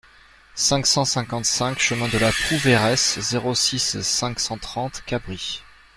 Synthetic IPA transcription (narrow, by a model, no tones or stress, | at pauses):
sɛ̃ksɑ̃sɛ̃kɑ̃t̪sɛ̃kʃəmɛ̃d̪əlapχuveʁɛszeʁosisɛ̃ksɑ̃t̪χɑ̃t̪kabʁi